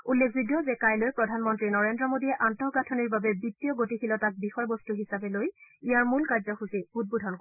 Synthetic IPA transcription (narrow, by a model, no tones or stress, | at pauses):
ulːekʰzidijɔzɛkajlojpɹɔdʱanmɔntɹinɔɹendɹɔmodiɛʔantɔɡatʰɔniɹbabɛbitːijɔɡotixilɔtak̚bixɔjbɔstuɦisabɛlojijaɹmulkaɹzɔxusiut̚budʱɔnk